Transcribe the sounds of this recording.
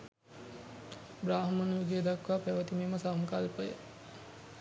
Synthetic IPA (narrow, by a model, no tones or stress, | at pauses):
bɾaːɦəmənjuɡeːd̪akʋapæʋət̪imeːməsamkalpəjə̰